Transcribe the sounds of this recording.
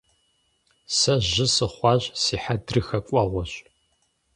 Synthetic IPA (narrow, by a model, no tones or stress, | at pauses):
sɐʒʑɪsɨχʷɑːʑsiːħadrɨxɐkʷʼɔʁʷɔɕʼ